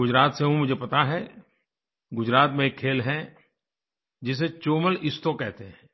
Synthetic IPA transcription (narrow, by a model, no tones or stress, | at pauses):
ɡʊd͡ʒɾaːt̪seɦũmʊd͡ʒʱepɐt̪aɦɛ | ɡʊd͡ʒɾaːt̪mẽeːkʰːeːlɦɛ | d͡ʒɪs̬et͡ʃoːməlɪst̪okɛɦt̪eɦɛ̃ː